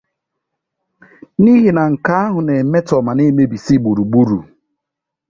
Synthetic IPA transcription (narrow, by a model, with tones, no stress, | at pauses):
ni˦ɦi˨na˨ŋ̩˨ka˦a˦ɦʊ˨ne˨˦me˦tɔ˨ma˨ne˦me˦bi˨si˦ɡ͡bu˨ɾu˨ɡ͡bu˦ɾṵ˨